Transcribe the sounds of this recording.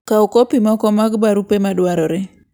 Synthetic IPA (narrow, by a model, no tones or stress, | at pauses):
kaokopimɔkɔmaɡbaɾupemadwaɾɔɾe